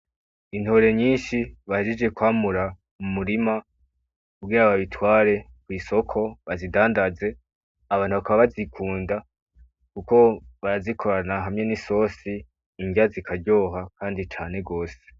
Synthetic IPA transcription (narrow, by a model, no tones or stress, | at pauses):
in̥ho̞ːɾe̞ɲiːnʃiβahed͡ʒed͡ʒɡe̞kwaːmuɾa | umuɾima | kubɡiːɾaβaβitwaːɾe̞ | kwiːso̞kʰo̞βazidaːndaze̞ | aβaːnhuβakaβaβazikʰuːnda | kuko̞βaɾazikʰo̞ɾanaɦamɲe̞niso̞ːsiː | ɲɟazikʰaɾɟo̞ːɦakaːndit͡ʃaːne̞ɡo̞ːse̥